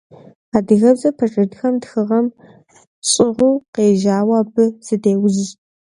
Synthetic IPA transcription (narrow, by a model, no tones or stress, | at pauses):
aːdɨɣɐbzɐpʰɐʈ͡ʂʼɨdxɐmtxɨʁɐm | ɕʼɪʁʷuːqeːʒaːwɐːbɨsɨdeːwʊz